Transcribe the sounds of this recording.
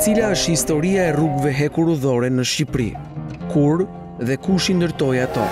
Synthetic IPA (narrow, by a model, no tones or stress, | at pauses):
t͡silaəʃhist̪ɔɾiaɛruɡvɛɦɛkuɾuðɔɾɛnəʃcipɾḭ | kuɾ | ðɛkuʃind̪əɾt̪ɔjat̪ɔ̰